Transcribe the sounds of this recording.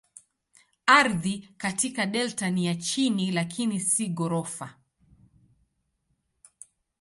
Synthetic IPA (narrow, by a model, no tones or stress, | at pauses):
aɾðikatikaɗɛltanijat͡ʃinilakʰinisiɠɔɾɔfa